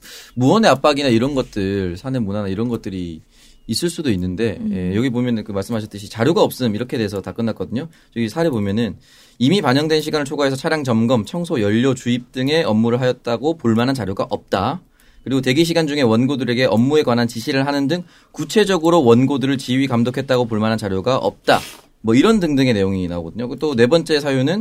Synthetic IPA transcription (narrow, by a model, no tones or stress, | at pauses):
muʌne̞ap͈aɡinaiɾʌnɡʌt̚t͈ɯɭsʰanemunanaiɾʌnɡʌt̚t͈ɯɾiː | s͈ɯɭs͈udoinːɯnde̞ejʌɡibomjʌnɯnkɯmaɭs͈ɯmɦaɕʰʌt͈ɯɕʰit͡ɕaɾjuɡaʌp̚s͈ɯmiɾʌkʰeteesʰʌtak͈ɯnːak͈ʌdɯɲo | t͡ɕʌɡisʰaɾebomjʌnɯn | imipaɲʌŋdwe̞nɕʰiɡanɯɭt͡ɕʰoɡaɦe̞sʰʌt͡ɕʰaɾjaŋt͡ɕʌmɡʌmt͡ɕʰʌŋsʰojʌʎːʌt͡ɕuip̚t͈ɯŋe̞ʌmːuɾɯɭɦajʌt̚t͈aɡopoɭmanɦant͡ɕaɾjoɡaʔʌp̚t͈a | kɯɾiɡote̞ɡiɕʰiɡand͡ʑuŋe̞wʌnɡodɯɾe̞ɡe̞ʔʌmːue̞ɡwanɦant͡ɕiɕʰiɾɯɭɦanɯndɯŋ | kut͡ɕʰe̞d͡ʑʌɡɯɾowʌnɡodɯɾɯɭt͡ɕiɥikamdokʰe̞t̚t͈aɡopoɭmanɦant͡ɕaɾjoɡaʔʌ̰p̚t͈a̰ | mwʌiɾʌndɯŋdɯŋe̞ne̞joŋinaɦo̰ɡʌdɯɲokt͈one̞bʌnt͡ɕ͈e̞sʰajunɯn